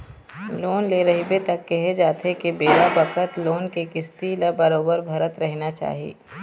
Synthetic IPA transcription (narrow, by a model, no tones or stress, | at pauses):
loːnleːɾɐɦibet̪ɐkːɛɦed͡ʒaːt̪ʰekebeːlabɐkət̪loːnkekɪst̪ilabɐɾoːbəɾbʱɐɾət̪ɾɛɦnat͡ʃa̰ːɦiḛː